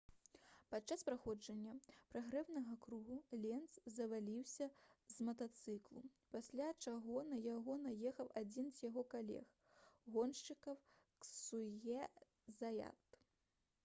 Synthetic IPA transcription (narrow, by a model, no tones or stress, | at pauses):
pat̪t͡ʂːaspɾaxɔd͡ʐɐnʲːɐpɾaɣɾɛwnɐɣɐkɾuɣulʲɛnt̪szɐvalʲiwsʲɐzmɐt̪at̪sɨklˠu | pasʲlʲat͡ʂaɣɔnɐjaɣɔnɐjɛxɐwad͡zʲinzʲjaɣɔkalʲɛ̰x | ɣɔnʂt͡ʂɨkɐw | ksujʲɛ | zaja̰t̪